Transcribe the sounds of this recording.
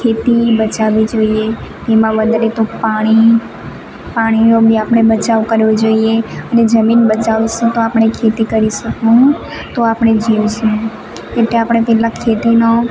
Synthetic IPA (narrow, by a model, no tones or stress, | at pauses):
kʰet̪ibət͡ʃaʋid͡ʒoiet̪emãʋəd̪ʱɾet̪opaɽ̃i | paɽ̃iobʱiapɽ̃ebət͡ʃaʋkəɾʋod͡ʒoieəned͡ʒəminbət͡ʃaʋʃũt̪oapɽ̃ekʰet̪ikəɾiʃəkũ | t̪oapɽ̃ed͡ʒiʋʃũ | eʈleapɽ̃epɛlakʰet̪ino